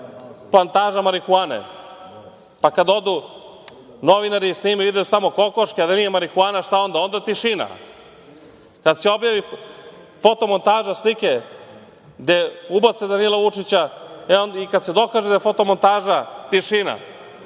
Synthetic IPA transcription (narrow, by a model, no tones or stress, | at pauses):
plant̪aːʒamaɾikuaːnḛ | pakad̪o̞d̪u | no̞ʋinaɾisniːmiʋid̪eut̪amoko̞koʃkead̪anijemaɾikuaːnaʃt̪ao̞nd̪ao̞nd̪at̪iʃina̰ | kad̪seo̞bjaʋi | fo̞t̪o̞mo̞nt̪aːʒaslike | ɡd̪eubat̪sed̪anilaʋut͡ʃit͡ɕaeonikad̪sed̪o̞kaːʒed̪ajefot̪o̞mo̞nt̪aːʒat̪iʃina̰